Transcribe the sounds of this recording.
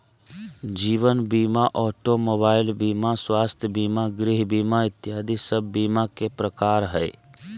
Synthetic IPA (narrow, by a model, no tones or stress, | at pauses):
d͡ʒiːʋənbiːmaʔɔːʈomoːbaːɪlbiːmaswaːst̪ʰjəbiːmaɡɾɪɦbiːmaɪt̪ːjaːd̪isəbʱːiːmakepɾəkaːɾɦɛː